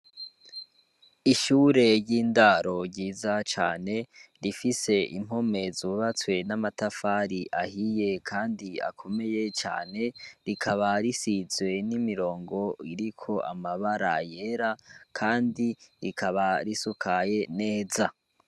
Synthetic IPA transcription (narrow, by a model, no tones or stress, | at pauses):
iʃuːɾe̞ɾjɟiːndaɾo̞ɟɟiːzat͡ʃa̰ːne̞ɾifise̞ʔim̥o̞me̞zuβat͡swe̞namatafaɾiʔahije̞kʰaːndia̰kʰo̞me̞je̞t͡ʃa̰ːne̞ɾikʰaβaɾisizwe̞nimiɾo̞ːŋɡo̞iɾikʰo̞ʔamaβaɾa̰je̞ɾakʰaːndiɾikʰaβaɾisukʰaje̞ne̞ːza